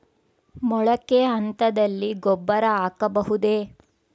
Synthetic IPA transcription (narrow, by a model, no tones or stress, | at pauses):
mɔɭɐkeɐnt̪ɐd̪ɐlːiɡɔbːɐɾɐaːkɐbɐɦud̪e